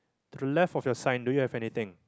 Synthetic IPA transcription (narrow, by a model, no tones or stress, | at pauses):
t̪udəlɛfɔfjɔsãɪj̃ndujuhɛvɛnit̪ɪ̃ŋ